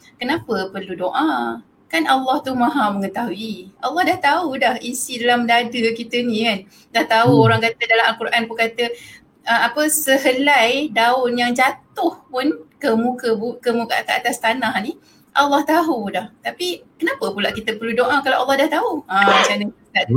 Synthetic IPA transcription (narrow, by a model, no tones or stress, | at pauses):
kənapəpərludoʔa | kanalːɑht̪umãɦaməŋət̪aɦuiʔalːɑhdaht̪audahisidalamdadəkit̪ənĩkan | daht̪auoɾaŋkat̪ədalamʔalkuɾʔankukat̪ə | əmapəsəɦəlajdaʊnjaŋd͡ʒat̪ʊhpʊnkəmukəbukəmukaʔa̰t̪aʔat̪ast̪anahni | ʔalːɑht̪aɦudaht̪apikənapəpulaʔkit̪əpərludoʔakalaʔalːɑhdaht̪auət͡ʃanəəkat̪̚